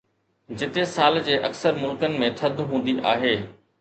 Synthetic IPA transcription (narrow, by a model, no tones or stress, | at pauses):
d͡ʑɪt̪esaːld͡ʑeːʔɐksəɾmʊlkənɪ̆mẽt̪ʰɐd̪ʱɦũːnd̪iʔaːɦeː